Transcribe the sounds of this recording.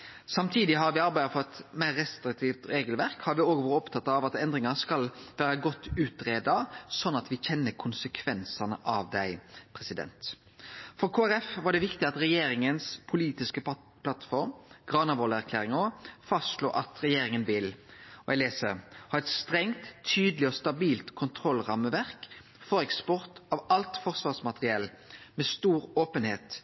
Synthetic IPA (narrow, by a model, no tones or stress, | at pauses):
sɑmt̪ʰiːd̪ɪɦɑɾʋɪɑɾbæɪəfɔɾɛt̪mæɪɾːɛst̪ɾɪk̚t̪ʰiːft̪ɾeːɡəlʋæɾkhɑɾʋɪoːɡʋɔɾəɔpt̪ʰɑt̪ːɑɑʋɑt̪ɛnd̪ɾɪŋɑskɑlʋæːɾəɡɔt̪ːʉːt̪ɾeːd̪ɑsɔnːɑt̪ʋɪçɛnːəkʰʊnsəkʰʋɛnsɑnəʔɑʋd̪æɪpʰɾɛsɪd̪ɛ̰nt̪ | fɔɾkʰoːæɾɛfʋɑːɖɛʋɪkt̪ɪɑt̪ɾɛjeːɾɪŋənspʰʊliːt̪ɪskə | pʰlɑt̪fɔɾmɡ̥ʁɑːnɑʋoːləæʁkʰlæːɾɪŋɔfɑst̪ʂlo̰ːʔɑt̪ɾɛjeːɾɪŋənʋɪlɔɛleːsəɾhɑːɛt̪st̪ɾɛŋt̪ʰːyːd̪əlɪɔst̪ɑbiːlt̪kʰʊnt̪ʰɾɔlːʁɑməʋæʁk | fɔɾɛkspɔʁt̪ɑʋɑlt̪fɔʁsʋɑːʁsmɑt̪ʁɪɛl | mɛst̪uːɾoːpənheːt̪